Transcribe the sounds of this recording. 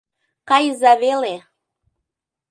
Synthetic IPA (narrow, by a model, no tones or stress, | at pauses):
kɑjzaβele